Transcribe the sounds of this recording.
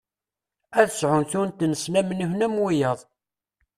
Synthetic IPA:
æðəsʕʊnθʊɾnt̪nəsnæmənəhnæmwijəðˤ

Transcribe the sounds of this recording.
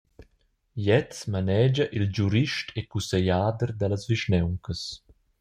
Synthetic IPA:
jɛt͡smanɛːd͡ʒaʔild͡ʒuɾiʃtʰekusejaːd̪əɾd̪alazviʃnɛwŋkəs

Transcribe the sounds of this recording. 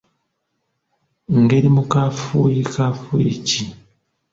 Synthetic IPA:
ŋɡeɾimukafujikafuici

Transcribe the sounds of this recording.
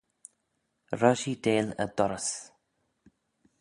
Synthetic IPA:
ɹəʃideːlə̰d̥ɔɾəs

